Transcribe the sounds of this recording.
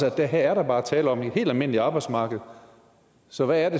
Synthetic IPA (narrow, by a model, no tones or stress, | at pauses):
sɒd̥æɦæɐæɐɾɑ̈b̥ɑ̈ːt͡sʰɛːləɒ̽me̝̥he̝̰ːld̥ælme̝n̰liɑ̈ːb̥ɑ̈ɪ̥smɑ̈ːɡ̥ð̞̩ˠ | sɒ̽ʋæːɐɾ̥e̝